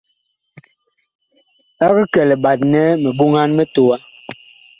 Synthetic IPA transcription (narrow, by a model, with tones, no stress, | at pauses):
a˦ɣə˦kɛ˨lɛ˨ba˨t̚nɛ˦mɛ˨bu˦ŋa˦nmɛ˦to˨wa˦